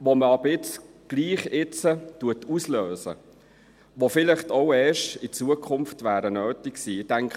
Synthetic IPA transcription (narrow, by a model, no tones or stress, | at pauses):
ʋoməɑbɾɪt͡sɡ̥liːχɪt͡sətuətʰusløːsə̰ | ʋofɪlɪχtɔʊɛːʃtɪt͡suəkʰʊmftʋæːɾənøːtɪksiːtæŋkʰ